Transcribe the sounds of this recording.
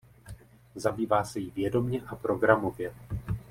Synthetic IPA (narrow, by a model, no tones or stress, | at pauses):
zabiːvaːsɛjɪvjɛdo̞mɲɛʔapɾo̞ɡɾamo̞vjɛ